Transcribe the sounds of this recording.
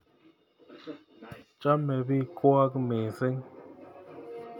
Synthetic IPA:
t͡ʃa˦me˨bi˦kwa˦kme˨se˦ŋ

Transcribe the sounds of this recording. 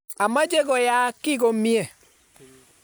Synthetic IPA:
a˨ma˦d͡ʒe˦ɡɔ˨ja˨˦kɪ˦ɡo˨˦mi˦e˨

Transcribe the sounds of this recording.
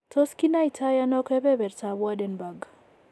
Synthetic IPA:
to˦ski˦na˦i˨tʰa˦ja˦nɔ˦kɛ˦bɛ˦bɛ˨ɾta˨bwa˦dɛ˨nba˨ɡ

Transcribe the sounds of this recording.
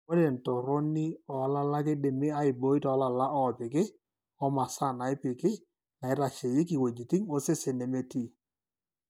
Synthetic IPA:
o˦de˨n˨to˨ɾo˦ni˦ɔ˨˦la˦la˦k̬ɪ˦dɪ˨mɪ˦a˦ɪ˨bo˦ɪ˦tɔ˨˦la˨la˦ʔɔ˦˨pɪ˨kɪ˦ | ɔ˦ma˨sa˦˨na˨ɪ˦pɪ˨kɪ˦ | na˨ɪ˦ɾa˨t͡ʃe˨jɪ˦kɪ˨we˨d͡ʒi˨ti˦ŋo˦se˦se˨ne˨me˦ti˦˨

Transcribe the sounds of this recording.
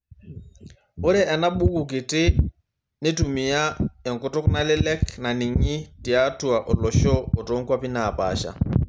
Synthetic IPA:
ʊ˦ɾɛ˦ʔɛ˨na˦ɓu˦ku˨k̬ɪ˨tɪ˦ | nɪ˦tu˨mi˨ja˦ɛ˨ŋkʊ˦tʊ˦kna˦lɪ˦lɛ˦kna˨ni˨ŋɪ˦ti˨a˦tu˨a˨ʔɔ˨lɔ˨ʃɔɔ˨tɔ˦ŋka˦pɪ˦na˨pa̰˨ʃa̰˨

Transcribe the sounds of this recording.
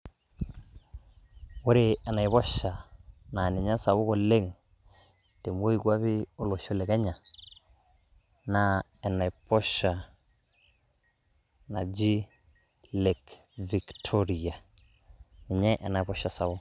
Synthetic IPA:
wo˦ɾe˦˨ɛ˨na˨i˨βɔ˦ʃa˨na˨ni˨ɲa˦sa˨βo˦kɔ˨le˦ŋ | te˨mo˦i˦ɡwa˦βɪ˦o˨lo˨ʃɔ˦˨lɛ˨kɛ˦ɲa˨ | na˨ | ɛ˨na˨i˨pɔ˦ʃa˨ | na̰˨d͡ʒi˦ | le˨k | vi˨ktʰo˦ɾi˨a˨ | ni˨ɲɛ˦ʔɛ˨na˨βɔ˦ʃa˨sa˨βo˦

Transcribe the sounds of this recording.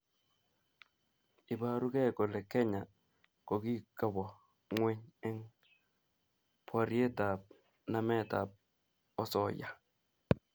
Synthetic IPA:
ɪ˨ba˦˨ɾʊ˦kɛ˦˨kɔ˨lɛ˨kɛ˦ɲa˨ | ko˨ɡi˦ka˨bɔ˨ | ŋwe˦ɲɛ˦ŋ | pʰa˨ɾɪ˦e˦ta˨p̚ | na˦mɛ˦˨ta˨p̚ | ɔ˦sɔ˦˨ja˨

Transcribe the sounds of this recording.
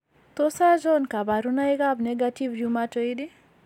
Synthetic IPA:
t̪o˦sa˦d͡ʒɔ˦nka˨ba˨ɾu˦na˦iɡa˦bnɛ˦ɡati˦vjumato˦idi˦

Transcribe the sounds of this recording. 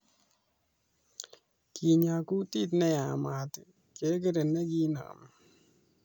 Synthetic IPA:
ki˨ɲa˨ku˦ti˦t̪nɛ˦a˨ma˨t̪ | ke˨˦k̬e˦ɾe˨nːe˦ɡi˦na̰˨m

